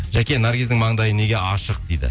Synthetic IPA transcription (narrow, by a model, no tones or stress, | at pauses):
ʒækʲe̞naɾɡʲizd̪ɪŋmɑɴd̪ɑjəne̞ɡʲe̞ɑʃəq̚d̪ejd̪ɪ̰